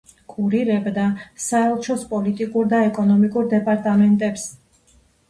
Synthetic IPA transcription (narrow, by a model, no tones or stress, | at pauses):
kʼuɾiɾɛbd̪asaɛlˠt͡ʃʰɔspʼɔlit̪ʼikʼuɾd̪aɛkʼɔnɔmikʼuɾd̪ɛpʼaɾt̪ʼamɛnt̪ʼɛps